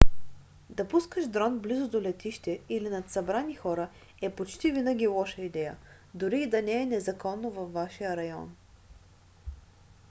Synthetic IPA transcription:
d̪ɐpuskəʃd̪ɾɔnblizʊd̪olɛt̪iʃt̪ɛilinɐt̪sɐbɾanixɔɾə | ɛpot͡ʃt̪ivinəɡ̟ʲilˠɔʃəid̪ɛjə̰ | d̪ʊɾiːd̪ɐnɛːnɛzɐkɔnːovɐfvaʃijəɾɐjɔ̰n

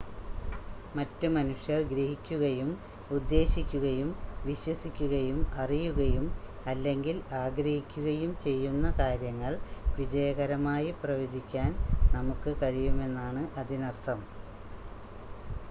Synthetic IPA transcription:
mɐtːɨmɐnuʂjɐrɡɾɐhikʲːuɣɐjum | ud̪ːe̞ːɕikʲːuɣɐjumʋiɕwɐsikʲːuɣɐjumɐrijuɣɐjum | ɐlːe̞ŋɡilaːɡɾɐhikʲːuɣɐjumt͡ɕe̞jːunːɐkaːɾjɐŋːɐɭʋid͡ʑɐjɐɣɐɾɐmaːjiprɐʋoːd͡ʑikʲːaːnnɐmukːɨkɐɻijume̞nːaːɳɨʔɐðinɐrt̪ʰɐm

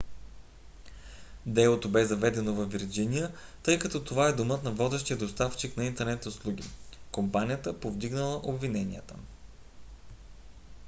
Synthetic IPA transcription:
d̪ɛlˠot̪obɛzɐvɛd̪ɛnovɐvviɾd͡ʒinijət̪ɤjkɐt̪ɔt̪ovaɛd̪omɤt̪nɐvɔd̪ɛʃt̪iəd̪ost̪aft͡ʃiknɐint̪ɛɾnɛt̪ʊslˠuɡ̟ʲḭkompanijət̪əpovd̪iɡnəlˠəʔobvinɛnḭət̪ə

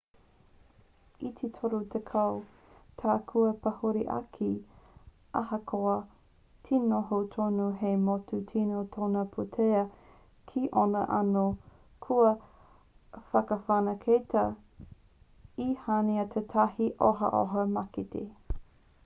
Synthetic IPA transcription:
it̪ʰetʰoɾot̪ʰekʰɐw | tʰaːkʰuɐpɐhoɾiʔɐ̰kʰi | ʔɐhɐkʰoɐ | tʰenoɦotʰonuɦemotutʰinotʰonɐpʰotʰeɐ | kʰiʔonɐ̰ʔɐ̰no | kʰuɐ | fɐkɐfanɐkʰejtɐ | ihaniɐt̪ʰetʰɐhiʔoɦɐ̰ʔo̰ɦɐmɐkitḛ

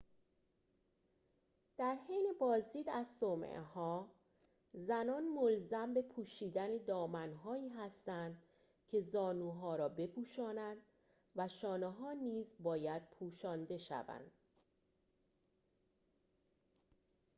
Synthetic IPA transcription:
d̪̥æɾhejnebɒːzd̪iːd̪æzsoːmḛʔhɒː | zænɒːnmolzæmbe̞pʰuːʃiːd̪æne̞d̪ɒːmænɦɒːiːɦæst̪ænd̪ | cʰe̞zɒːnuːɦɒːɾɒːbe̞pʰuːʃɒːnænd̪̥ | væʃɒːneɦɒːniːzbɒːjæd̪̥̚pʰuːʃɒːnd̪e̞ʃæ̰væ̰nd̪̥

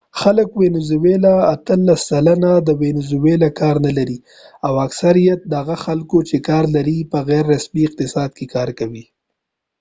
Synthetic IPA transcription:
xaləkwenʊzuwelaːt̪əlːasːalanad̪əwenʊzʊwelakɑɾnalaɾi | awaksaɾijat̪̚d̪əaɣaxalkot͡ʃekɑːɾlaɾipəɣɛɾːasmiɪq̚t̪ɪsɑd̪̚kekɑɾkawi

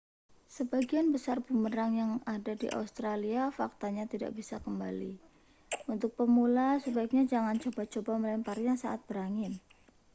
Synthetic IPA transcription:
səbaɡianbəsarb̥uməɾaŋjaŋadadḭʔa̰ust̪ɾaliafak̚t̪aɲat̪ida̰ʔb̥isakəmbalḭ | ʔunt̪ʊk̚pəmulasəbaɪk̚ɲad͡ʒaŋant͡ʃobat͡ʃobaməlɛmpaɾijaŋsaʔat̪̚b̥əɾaŋɪn

